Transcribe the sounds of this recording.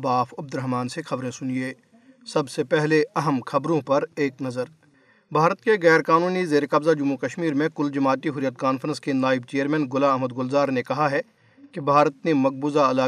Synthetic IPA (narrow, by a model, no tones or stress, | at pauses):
baːfɐb̚d̪ʊɾəɦmaːnsexɐbɾẽsʊnieː | sɐbsepɛɦleɐɦəmxʰɐbɾõpɐɾeːknɐzəɾ | bʱaːɾət̪keɣɛːɾkaːnuːnizeːɾekɐbzad͡ʒʊmːukɐʃmiːɾmẽkʊld͡ʒɐmaːt̪iɦʊɾjət̪̚kaːnfɾə̃nskenaːɪb̚t͡ʃeːəɾmɛ̃ːnɡʊlaɐɦməd̪ɡʊlzaːɾnekɐɦaɦɛ | kebʱaːɾət̪nemɐk̚buːzaɐlaː